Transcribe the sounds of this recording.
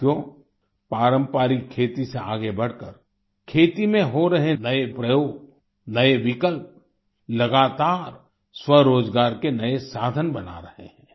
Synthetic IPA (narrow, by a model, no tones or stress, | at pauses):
koː | paːɾə̃mpaːɾikʰːeːt̪iseaːɡebɐɽ̤kəɾ | kʰeːt̪imẽɦoɾɐɦenɐepɾɐjoːɡ | nɐeʋɪkəlp̚ | lɐɡaːt̪aːɾ | swɐɾoːd͡ʒɡaːɾkenɐesaːd̪ʱənbɐna̰ɾɐhḛɦɛ̃ː